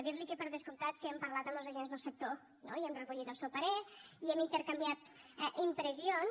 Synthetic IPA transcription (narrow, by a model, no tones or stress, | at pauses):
ðiɾlikepəɾðəskumt̪at̪̚kəɛmpəɾlat̪əmbəlˠzəʒenzðəlˠsək̚t̪o | noiɛmrəβuʎit̪əlˠsɛwpəɾɛiɛmint̪əɾkambiat̪ | ɛʔimpɾəzion